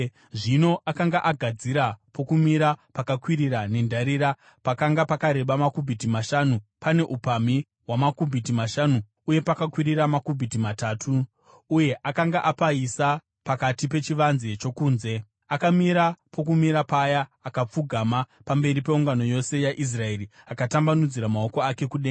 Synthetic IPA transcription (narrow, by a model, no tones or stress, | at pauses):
ʐino̞ʔakaŋɡaʔaɡʱad͡ziɾapo̞kumiɾapakakwiɾiɾane̞ndaɾiɾa | pakaŋɡapakaɾe̞ɓamakubʱitimaʃanupane̞ʔupami | wamakubʱitimaʃanu | uje̞pakakwiɾiɾamakubʱitimataːtʰuː | je̞ʔakaŋɡaʔapaisa | pakatipe̞t͡ʃiʋanzet͡ʃo̞kuːnze̞ | akamiɾapʰo̞kumiɾapajaːkap͡fuɡʱamapambe̞ɾipeuŋɡano̞jo̞se̞jaʔis̬rae̞riakatambanud͡ziɾamao̞ko̞ake̞kuɗeːa